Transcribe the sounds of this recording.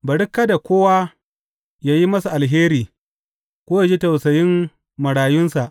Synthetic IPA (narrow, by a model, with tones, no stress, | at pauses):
bɐ˨ɽɪ˦kːa˦da˨kʷoː˦wa˦ | jaː˦ji˦mɐ˦sa˨ʔa˨lɦeː˦ɾiː˨ | kʷoː˦ja˨d͡ʒi˦tɐ˨wsɐ˨jɪ˦m | mɐ˨ɽaː˨jʊ˦nsa˨ʔ